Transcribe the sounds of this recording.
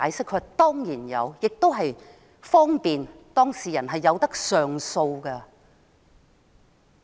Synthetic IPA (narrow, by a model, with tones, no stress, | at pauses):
aː˨˧jsɪ˥kʰːɵ˨˧t̪ɔː˥ŋjiː˨˩njɐ̰˨˧wjɪ˨k̚t̪o˥wɦɐ˨j | fɔː˥ŋpiː˨nt̪ɔː˥ŋsiː˨˩jɐ˨˩nɦɐ˨jːɐ˨˧wt̪ɐ˥k̚sœː˨ŋso˧wkɐ˧